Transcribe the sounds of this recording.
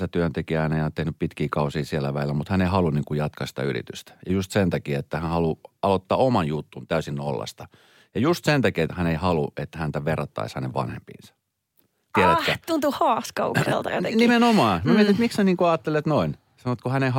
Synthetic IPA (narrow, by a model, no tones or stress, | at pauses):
sæt̪yønt̪ekiæneijɑnt̪ehnyppit̪kiːkɑusiːsiælːæʋælilːæmut̪hæneihɑluniːŋkujɑt̪kɑsi̥t̪æy̰rḭt̪yst̪æ̥jɑjust̪sent̪ɑkiet̪ːæhænhɑluɑlot̪ːɑːomɑnjut̪ːunt̪æysinːo̰lːɑ̰st̪ɑ | jɑjust̪sent̪ɑkiet̪hæneihɑluet̪ːæhænt̪æʋerɑt̪ːɑ̰ishænḛʋʋɑ̰nhḛmpḭːnsɑ̥ | t̪iæɾæt̪kːæt̪unt̪uhɑːskɑṵksḛlt̪ɑ̰jo̰t̪enimenomɑːmmiet̪it̪miksæniːŋkuɑːt̪ːelːet̪noin | sɑnoet̪kuhænei